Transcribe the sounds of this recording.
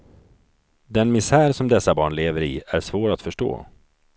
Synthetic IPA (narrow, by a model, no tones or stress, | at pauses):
d̪ɛnmɪsæːɾsɔmd̪ɛsːabɑːɳleːvəɾɪæʂvoːɾat̪fœʂʈo̰ː